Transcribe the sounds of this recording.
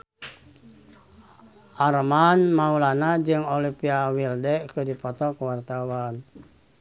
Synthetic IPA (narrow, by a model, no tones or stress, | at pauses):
ʔarmanmaulanad͡ʒɨŋolipiawildɛkɨdipɔt̪ɔkuwart̪awan